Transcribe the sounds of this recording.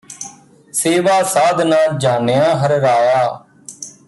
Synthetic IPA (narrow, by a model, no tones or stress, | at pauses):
seːʋaːsaːd̪nãːd͡ʒaːnejãːɦəɾɾaːjaː